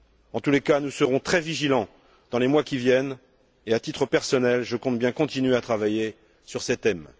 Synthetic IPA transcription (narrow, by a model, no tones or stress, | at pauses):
ɑ̃t̪ulekanusəʁɔ̃t̪χɛviʒilɑ̃ | d̪̥ɑ̃lemwakʲivjɛn | eat̪it̪χəpɛʁsɔnɛlʒəkɔ̃t̪bjɛ̃kɔ̃t̪inɥeat̪χavaje | syʁsɛt̪ɛm